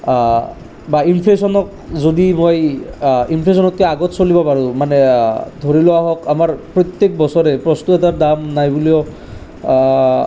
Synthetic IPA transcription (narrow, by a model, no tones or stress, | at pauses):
bainpʰlesɔnɔk̚ | zodimoj | impʰles̬ɔnɔt̚kɛaɡɔtsolibɔpaɹũmanɛdʱoɹilɔwaɦɔkamaɹpɹɔt̪jek̚bɔsɔɹɛpɹɔstuɛtaɹdamnajbuliɔ